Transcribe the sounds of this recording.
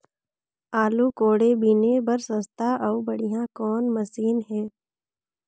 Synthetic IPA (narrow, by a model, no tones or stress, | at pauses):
aːlukoːɽebiːnebɐɾsə̃st̪aʔɔːbɐɽijãkɔːnmɐsiːnɦɛː